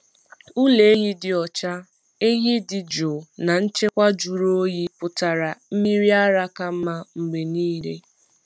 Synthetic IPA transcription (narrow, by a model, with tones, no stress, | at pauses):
u˦le˨e˦ɣi˦dɪ˨ɔ˨t͡ʃa˦ | e˦ɦi˦dɪ˨d͡ʒo˨na˨n̩˦t͡ʃe˦kʷa˦d͡ʒu˨ɾo˦ji˦pʊ˨ta˨ɾa˨m̩˦mi˦ɾi˦a˦ɾa˦ka˦m̩˦ma˦ŋ͡m̩˨ɡ͡be˨niː˦ɾe˦